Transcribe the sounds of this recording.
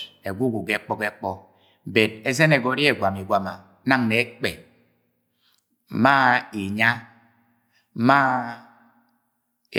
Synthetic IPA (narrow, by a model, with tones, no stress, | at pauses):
e˨ɡʷu˦ɡu˨ɡe˦k͡pɔ˦ke˦k͡pɔ˦˨ | be˨d̚e˦ze˦ne˨ɡɔ˨˦ɾi˦e˨ɡwa˨mi˨ɡwa˨ma˨˦ | na˦ŋne˨˦k͡pe˨˦ | ma˦i˨ɲa˦ | ma˦